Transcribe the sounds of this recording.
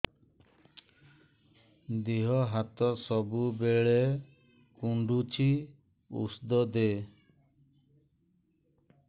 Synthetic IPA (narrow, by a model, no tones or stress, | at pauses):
d̪iɦɔɦat̪ɔsɔbubeɭe | kuɳɖut͡ʃʰi | ṵsd̪ɔd̪e